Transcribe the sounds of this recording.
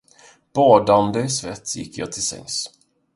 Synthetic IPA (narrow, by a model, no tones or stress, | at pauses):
b̥ɑːd̪and̪əɪsvɛt̪ːjɪ̰kːjɑ̰ːt̪ʰɪlsɛ̰ŋs